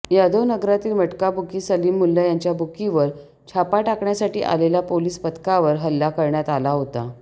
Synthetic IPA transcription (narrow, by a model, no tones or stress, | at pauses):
jad̪ʱoʋnəɡɾat̪iːlməʈkabʱukiːsəliːmːulːajaɲt͡ɕjabʱukiʋəɾ | t͡ɕʰapaʈakɳjasaʈiːʔa̰lelapoliːspət̪kaʋəɾɦəlːakəɾɳjat̪alaɦot̪a̰